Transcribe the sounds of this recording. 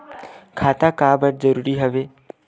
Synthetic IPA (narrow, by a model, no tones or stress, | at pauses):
kʰat̪akabəʈ̚d͡zəɾuːɾiːɦəʋe